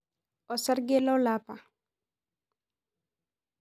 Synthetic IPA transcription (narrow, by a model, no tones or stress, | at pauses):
ɔsaɾɡɛlɔwlaːpa